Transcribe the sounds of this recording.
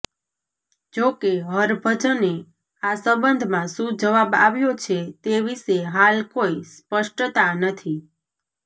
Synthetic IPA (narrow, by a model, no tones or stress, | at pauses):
d͡ʒokeɦəɾbʱət͡ʃəne | asəbənd̪ʱmãsũd͡ʒəʋaba̰ʋjot͡ʃʰet̪eʋiʃeɦalkoispəʃʈt̪anət̪ʰi